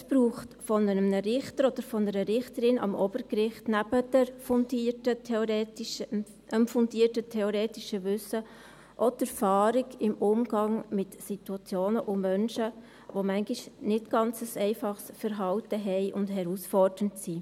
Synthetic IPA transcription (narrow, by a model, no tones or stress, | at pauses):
sb̥ɾuːχtfɔnəənəɾɪχtəɾɔd̥̪əɾfɔnəɾəɾɪχtəɾɪnʔɑ̰mɔb̥əɾkɾɪχtnæbəd̥ɛɾfʊnditətʰɛoɾɛːtʃ | əmfʊndiːərtətʰɛoɾɛːtiʃəʋʏsə | ʔɔtɛɾfɑːɾikɪmʊmɡ̥ɑŋmɪtsituɑt͡sjoːnəʔʊmœnʃə | ʋomæŋɡiʃnɪtɡ̥ɑnt͡səsɛɪfɑχsfəɾɦɑltəɦɛɪʔʊndhɛɾusfɔrd̥əntsiː